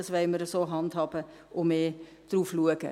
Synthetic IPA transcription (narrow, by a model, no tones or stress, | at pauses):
ɑsʋɛɪməɾəsoːɦɑndhɑːbə | ʔʊmeː | d̥ruːfluəɡ̥ə̰